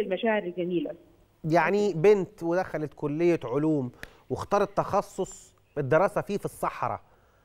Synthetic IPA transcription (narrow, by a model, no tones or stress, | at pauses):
ɪlmæʃæːʕɪɾɪlɡæmiːlæ | jaʕnibɪnt̪wɪd̪æxælæt̪kʊlːɪjːæʕoluːm | wɪxt̪ɑːɾˤɑt̪ːɑxɑsˤːosˤ | bɪd̪ːɪɾˤɑːsæfiːfisˤːɑħɾˤɑ̰